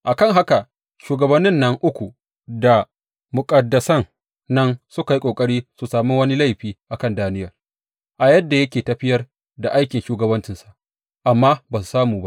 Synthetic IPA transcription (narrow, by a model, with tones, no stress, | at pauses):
ʔa˨kɐ˦˨ŋɦa˦ka˨ | ʃuː˨ɡɐ˨bɐ˦nːɪ˦nːɐ˦ŋʔʊ˦kʷu˨ | da˨ | mʊ˨kʼɐ˨dːɐ˨sɐ˦ŋ | nɐ˦nsʊ˦ka˨ji˦kʷʼoː˨kʼɐ˦ɽiː˦su˨saː˨mu˦wɐ˦ni˦la˦jɸiː˦ʔa˨kɐ˦˨ndaː˦nɪ˦jɐ˨r | ʔa˨jɐ˦dːa˨jɐ˦kʲeː˨tɐ˨ɸɪ˦jɐ˦r | da˨ʔa˦jkʲɪ˨nʃuː˦ɡɐ˨bɐ˦nt͡ʃɪ˨nsḁ˨ʔ | ʔa˨mːaː˦baː˨s̬u˨saː˦muː˨ba˦ʔ